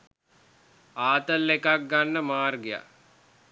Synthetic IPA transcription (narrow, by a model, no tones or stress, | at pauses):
aːt̪əlːekak̚ɡanːəmaːrɡeja̰